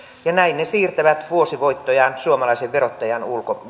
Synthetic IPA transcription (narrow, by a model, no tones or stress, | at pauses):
jɑnæinnesiːrt̪æʋæt̪ʋuosiʋoit̪ːojɑnsuomɑlɑiseʋʋerot̪ːɑjɑnulko